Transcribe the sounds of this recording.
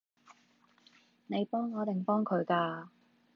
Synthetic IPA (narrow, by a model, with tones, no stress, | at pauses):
ne˨˧jpɔː˥ŋːɔː˨˧t̪ɪ˨˩ŋpɔː˥ŋkʰɵ˨˧ɥkaː˧